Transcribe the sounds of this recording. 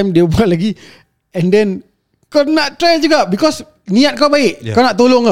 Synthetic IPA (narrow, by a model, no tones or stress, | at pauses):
jmdiubuat̪̚laɡi | ɛ̃ndɛ̃n | kanaʔt̪ɾajld͡ʒuɡaʔbikɔs | nĩat̪̚kawbaɪʔkanaʔt̪oloŋa